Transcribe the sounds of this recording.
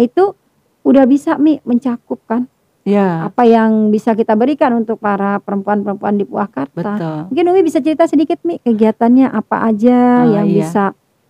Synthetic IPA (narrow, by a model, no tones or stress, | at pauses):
it̪u | udahbisamɪməɲt͡ʃakʊp̚kan | jaapajaŋbisakit̪abəɾikanunt̪ʊk̚paɾapəɾəmpuanpəɾəmpuandipuahkart̪b̪amuŋkɪnumibisat͡ʃəɾit̪asədikɪt̪̚mɪkəɡiɦat̪anɲaʔapa̰ʔad͡ʒajaŋbisa